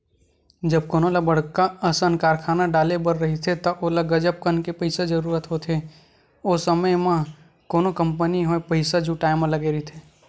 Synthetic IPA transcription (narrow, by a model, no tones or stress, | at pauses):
d͡ʒɐb̚koːnolɐbɐɽkaəsə̃nkaːɾkʰaːnaɖaːlebəɾɾɐɦit̪ʰet̪oʔolɐɡɐd͡ʒəp̚kənkepəɪsad͡ʒɐɾuːɾət̪ɦot̪ʰe | oːsəməjmã | koːnokə̃mpəniɦoepəɪsad͡ʒuʈaːɪmãlɐɡeɾit̪ʰeː